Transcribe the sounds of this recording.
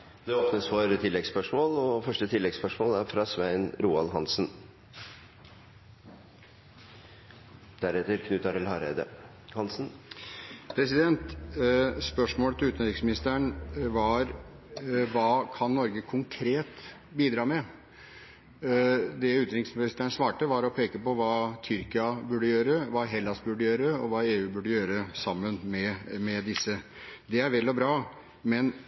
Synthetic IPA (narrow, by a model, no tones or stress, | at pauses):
d̪ɛoːpnəsfɔɾt̪ʰɪlːɛɡspœʂmoːlɔfœʂʈət̪ʰɪlːɛɡspœʂmoːlæɾfɾɑsʋæɪənɾuːɑlɦɑnsn̩ | d̪̥æɾɛt̪əɾkʰnʉːt̪ɑɾɪlhɑɾḛːd̪ə̰ | hɑnsn̩ | pʰɾɛsɪd̪ɛnt̪ | spœʂmoːlət̪ʰɪʉːt̪nɾɪksmɪnɪst̪əɳʋɑɾ | ʋɑːkʰɑnnɔɾɡəkʰʊŋkʰɾeːt̪ | biːd̪ɾɑːmɛ | d̪ɛʉːt̪ɾɪksmɪnɪst̪əəɳsʋɑːʈəʋɑɾɔpʰeːkəpɔʋɑːt̪ʰʏɾkɪɑbʉɖəjøːɾəʋɑːɦɛlːɑsbʉɖəjøːɾəɔʋɑːeːʉːbʉɖəjøːɾəsɑmːənmɛmɛd̪ɪsːə | d̪ɛæɾʋɛlːɔbɾɑː | mɛn